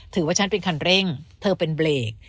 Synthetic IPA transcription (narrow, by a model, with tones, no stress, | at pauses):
t̪ʰɯː˩˦waː˥˩t͡ɕʰa˦˥npe˧nkʰa˧nɾe˥˩ŋt̪ʰɤː˧pe˧nbleː˨˩k̚